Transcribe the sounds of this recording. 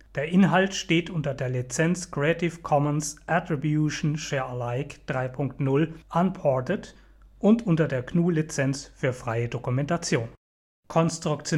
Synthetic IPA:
d̥eːɐʔɪnɦaltʃteːtʔʊntɐdeːɐlit͡sɛnt͡skʁ̥ɛtʰɪfkʰɔmənsʔatʁ̥ibjuʃn̩ʃɛːɐlaɪkd̥ʁaɪpʰʊŋktnʊlʔanpʰɔɐtət | ʔʊntʔʊntɐdeːɐkʰnuːlit͡sɛnt͡sfyːɐfʁ̥aɪədokumɛntat͡sjoːn | kʰɔnstʁ̥ʊkt͡sjo

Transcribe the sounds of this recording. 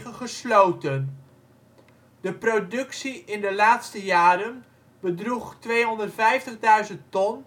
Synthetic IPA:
əχəslowtən | dəprodɵksiʔɪndəlaːtstəjaːɾən | bədruχtʋejɦɔndərtfɛjftəχdœɥzəntɔn

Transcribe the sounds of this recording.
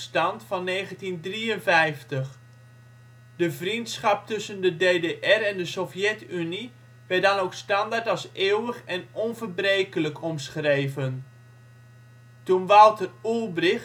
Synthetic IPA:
stɑntfɑnːeːɣəntindriənvɛjftəχ | dəvrintsχɑp̚tʏsəndədeːdeʔɛrɛndəsofjɛtyni | ʋɛt̚dɑnowkstɑndaɹtɑlˠseːwəχɛnɔnvərbrejkələkʰɔmsχrejvən | tunʋɑlˠtərulˠbrɪx

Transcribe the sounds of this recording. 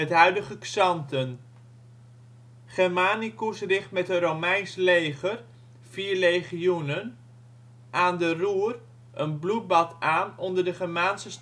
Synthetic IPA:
ɛtɦœɥdəχəksɑntən | χɛɹmaːnikusrɪχtmɛtəromɛjnslejχər | fiːɹlejχiunən | ʔaːndəruːər | ʔənblut̚bɑtaːnɔndəɹdəχɛɹmaːnsəs

